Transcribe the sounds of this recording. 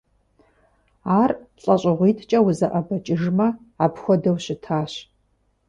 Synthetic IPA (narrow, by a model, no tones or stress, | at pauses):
aːrɬʼɐɕʼɪʁʷiːtʰt͡ʃʼɐwʊzɐʔɐbɐt͡ʃʼɪʒmɐ | aːpxʷɔdɐwɕɪtʰaːɕ